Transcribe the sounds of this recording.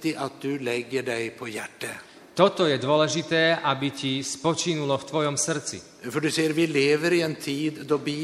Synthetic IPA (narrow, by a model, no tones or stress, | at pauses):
t̪ɪʔat̪̚d̪ʉlɛɡːəɖæɪpʰɔjæʈːə | t̪ɔt̪ɔjɛd̪ʊɔlɛʒit̪ɛːʔabicispɔt͡ʃinulɔft̪ʋɔjɔmsr̩t͡sḭ | fɔɖʉseːəɾʋɪleːʋəɾiɛnt̪ʰiːd̪d̪ɔbiː